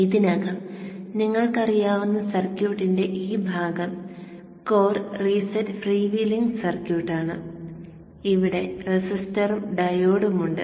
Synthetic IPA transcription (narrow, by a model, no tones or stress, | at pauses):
iðinɐɣɐmniŋːɐɭkɐrijaːʋunːɐsɐrkjuːʈːinde̞ʔiːbʱaːɡɐm | ko̞ːrriːsɐtːfriːʋiliŋɡsɐrkjuːʈːaːɳɨ | iʋiɽe̞resistɐruɖɐjoːɽumuɳɖɨ̰